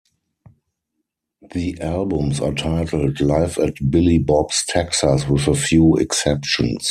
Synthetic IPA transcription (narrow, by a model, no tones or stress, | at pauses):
ðiʔælbə̃msa̰tʰaɪtʰl̩tlaɪfɛtbɪlibɔbstʰɛksəswɪðəfjuːɛ̰ksɛpʃə̰̃ns